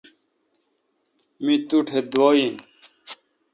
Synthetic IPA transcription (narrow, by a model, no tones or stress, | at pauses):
mĩt̪uʈʰed̪woːjĩn